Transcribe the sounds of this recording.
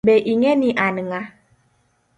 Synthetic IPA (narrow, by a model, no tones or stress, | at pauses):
bɛʔiŋɛniʔanəŋa